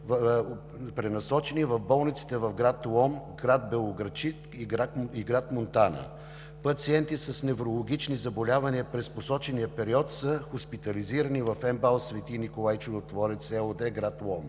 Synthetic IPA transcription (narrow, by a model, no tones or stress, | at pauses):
v | pɾɛnɐsɔt͡ʃɛnivɐfbɔlˠnit̪si̥t̪ɛvɐfɡɾat̪lˠɔmɡɾad̪̚bɛlˠoɡɾɐt͡ʃit̪ | iɡiɡɾat̪mont̪anə̰ | pɐt̪siɛnt̪isɐsnɛvɾolˠoɡit͡ʃnizɐbolʲavɐniəpɾɛsposɔt͡ʃɛniəpɛɾiɔt̪səxʊspit̪ɐliziɾɐnivɐfɛmbalˠsvɛt̪inikolˠajt͡ʃʊd̪ot̪vɔɾɛt̪sɛod̪ɛɡɾat̪lˠɔm